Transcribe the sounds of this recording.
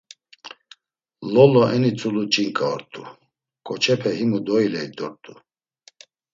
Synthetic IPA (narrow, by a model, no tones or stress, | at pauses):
lɔlɔɛnit͡sʼulut͡ʃʼiŋkʼaɔ̰ɾt̪ʰʼu | kʼɔt͡ʃʰɛpʰɛɦimud̪ɔilɛid̪ɔɾt̪ʼu